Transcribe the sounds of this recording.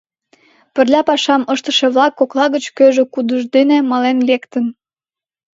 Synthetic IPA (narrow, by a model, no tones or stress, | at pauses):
pə̆rlʲɑpɑʃɑməʃt̪əʃĕβlɑkːoklɑɣət͡ɕkøʒĕkud̪əʒd̪enemɑlenlekt̪ən